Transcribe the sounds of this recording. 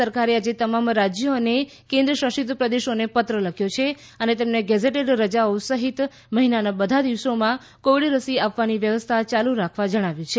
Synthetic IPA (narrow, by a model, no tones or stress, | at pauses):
əɾkaɾead͡ʒet̪əmamɾad͡ʒjone | kẽnd̪ɾəʃəʃit̪̬pɾəd̪eʃonepət̪ɾələkʰjot͡ʃʰe | ənet̪emneɡɛd͡ʒeʈeɖɾəd͡ʒaosəɦit̪ | məɦinanabəd̪ʱad̪iʋsomã | koʋɽiɾəsiapʋaniʋjəʋəst̪ʰat͡ʃaluɾakʰʋad͡ʒəɽ̃aʋjũt͡ʃʰe